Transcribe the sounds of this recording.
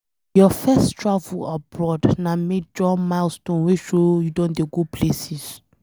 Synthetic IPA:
jɔfɛstʰɹavulabɹɔdnãmed͡ʒɔmalstɔ̃nweʃojudɔ̃ndeɡopʰlesis

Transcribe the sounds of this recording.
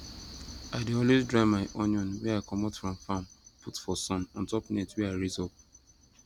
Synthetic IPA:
aɪdeɔlwezdɹaɪmaɪʔonɔ̃nwɛaɪkɔmɔtfɹɔ̃mfãmputfɔsɔ̃nɔ̃ntɔpnɛtwɛaɪɹizɔp̚

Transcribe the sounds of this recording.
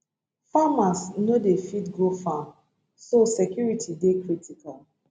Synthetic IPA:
famasnodefitɡofam | sosekjuɹitʰidekɹitʰikal

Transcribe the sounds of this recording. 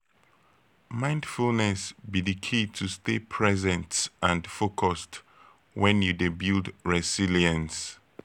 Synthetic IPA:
mãɪ̃ndfulnɛsbidikʰitʰustepʰɹɛzɛ̃ntãndfokʰɔst | wɛ̃njudebildɹɛsiliə̃ns

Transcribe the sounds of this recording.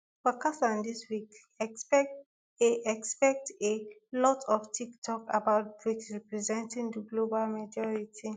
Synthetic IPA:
pɔkasãndiswik | eʔɛkspɛk̚telɔtʰɔftʰiktʰɔkabaʊt̚bɹikɹipɹizɛ̃ntĩŋdəɡlobalmad͡ʒɔɹitʰi

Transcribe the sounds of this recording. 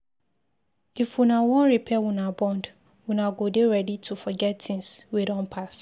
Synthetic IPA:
ifwunawɔ̃nɹipʰɛwunabɔ̃nd | wunaɡodeɹɛditʰufɔɡɛttʰɪ̃ŋswidɔ̃npʰas

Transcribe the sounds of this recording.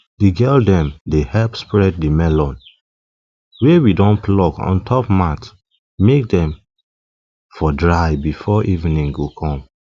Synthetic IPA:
diɡɜldɛ̃mdehɛlpspɹɛd̚dimɛlɔ̃n | wewidɔ̃nplɔkɔ̰̃ntʰɔpmat | mek̚dɛ̃m | fɔdɹaɪbifɔʔivnĩŋɡokʰɔ̃m

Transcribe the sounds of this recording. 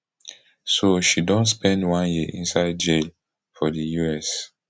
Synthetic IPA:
soʃidɔ̃nspɛ̃ndwãnjiʔĩnsaɪd̚d͡ʒel | fɔdəjuɛs

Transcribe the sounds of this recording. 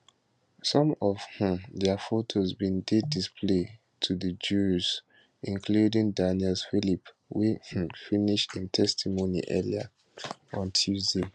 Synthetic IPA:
sɔ̃mɔv̥hũmdɛfotʰozbĩndedispʰle | tʰuðəd͡ʒuz | ĩnkʰludĩŋdaniɛlsfilip | wihũmfiniʃtĩntʰɛstʰimonḭʔɛlia | ɔ̃ntʰjuzde

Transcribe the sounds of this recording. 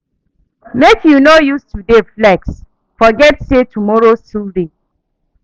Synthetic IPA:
mekjunojustudeflɛks | fɔɡɛtsetʰumɔɹostulde

